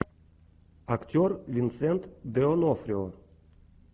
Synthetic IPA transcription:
akt̪ʰʲøɾvʲinsɛnt̪d̪eonɔfɾʲio

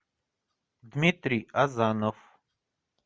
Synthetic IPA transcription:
d̪mit̪ɾiazaːnof

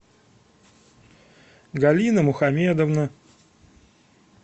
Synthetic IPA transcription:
ɡɐlʲinəmʊxɐmʲed̪əvnə

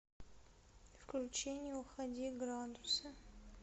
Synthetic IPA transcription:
fklʲut͡ʃenʲɪjɛuxɐdʲiɡrand̪usɐ

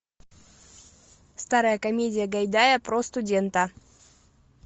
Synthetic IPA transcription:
st̪aɾəjəkɐmʲedʲɪjəɡɐjd̪ajəpɾost̪ʊdʲent̪ə

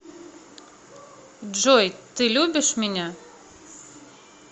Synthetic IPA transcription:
d͡ʒɔjt̪ɨlʲubʲɪʃmʲɪnʲɛ

